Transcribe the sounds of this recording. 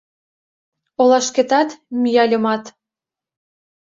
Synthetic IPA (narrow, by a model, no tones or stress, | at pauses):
olɑʃket̪ɑt̪mʲyjɑlʲɤ̆mɑt̪